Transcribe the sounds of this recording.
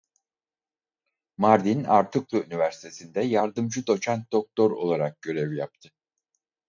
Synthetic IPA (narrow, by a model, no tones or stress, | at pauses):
maɾd̪ina̰ɾt̪ʰɯklˠɯynivæɾsit̪ʰe̞sind̪ɛjaɾd̪ɯmd͡ʒɯd̪o̞t͡ʃʰant̪̚d̪ok̚t̪ʰo̞ɾo̞̰lˠaɾak̚ɟ̥ø̞ɾevijap̚t̪ʰɯ